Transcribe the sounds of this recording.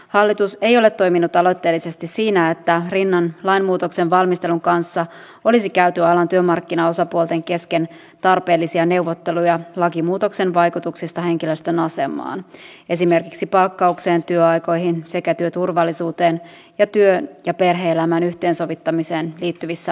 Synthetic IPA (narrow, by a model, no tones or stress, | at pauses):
hɑlːit̪use̞jo̞le̞t̪ːo̞jminut̪ɑlo̞jt̪ːe̞ːlise̞st̪issiːnæet̪ːærinːɑnlɑjnmuːt̪o̞ksenʋɑlmist̪eluŋkɑnsːɑ | o̞lisikæyt̪yɑlɑnt̪yømɑrkːinɑo̞sɑpuolt̪e̞ŋke̞ske̞n | t̪ɑrpe̞ːlːisiɑne̞uʋot̪ːe̞lujɑlɑkimuːt̪o̞kse̞nʋɑjkut̪uksist̪ɑɦe̞ŋkiløst̪ø̞nɑse̞mˑɑ̰ːne̞sime̞rkiksipɑlkːɑukse̞ːnt̪yøɑjko̞jɦinse̞kæt̪yøt̪urʋɑlːisuːt̪e̞ːn | jɑt̪yønjɑpe̞rɦe̞ːelæmæːnyht̪e̞ːnso̞ʋit̪ːɑmise̞ːnliːt̪ːyʋisːæ